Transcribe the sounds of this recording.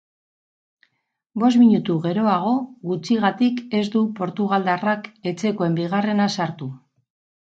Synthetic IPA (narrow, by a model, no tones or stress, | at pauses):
bo̞smiɲut̪uɣe̞ɾo̞aɣ̞o̞ɣut͡siɣat̪ike̞zd̪upo̞ɾt̪uɣald̪arake̞t͡se̞ko̞e̞mbiɣ̞are̞nasaɾt̪u